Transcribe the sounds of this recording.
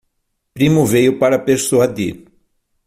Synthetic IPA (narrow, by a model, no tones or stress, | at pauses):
pɾĩmʊvejʊpaɾɐpeɾsoɐd̪ḭ